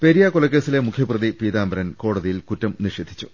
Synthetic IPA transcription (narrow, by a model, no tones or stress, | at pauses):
peɾijakolɐk̬ːe̞ːsile̞mukʰjɐprɐðipiːd̪aːmbɐɾɐnko̞ːɽɐðijilkutːɐmniʂeːd̪ʱːi̥t͡ɕːu̥